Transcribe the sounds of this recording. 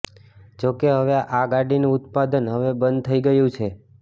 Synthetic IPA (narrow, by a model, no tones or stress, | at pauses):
d͡ʒokeɦəʋeaʔaɡaɖinuʊt̪̚pad̪ənɦəʋebənd̪̚t̪ʰəiɡəjũt͡ʃʰe